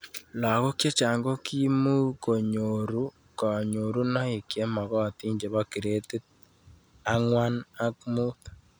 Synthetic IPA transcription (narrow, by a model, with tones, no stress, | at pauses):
la˨ɣo˦kje˦t͡ʃa˨ŋɡo˦ki˦mu˦ko˨ɲo˨ɾu˦ | ka˨ɲo˨ɾu˦na˦i˨kje˦ma˨ɣɔ˦a˨ti˦ɲd͡ʒe˨βa˦ki˨ɾe˦te˦t̚ | a˦ŋwa˦na˦kmu˦θḁ˨